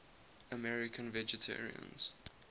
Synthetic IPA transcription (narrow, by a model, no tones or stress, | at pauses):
əmɛɹɪkʰə̃nvɛd͡ʒɛtʰɛ̰ɹḭə̰̃nz̥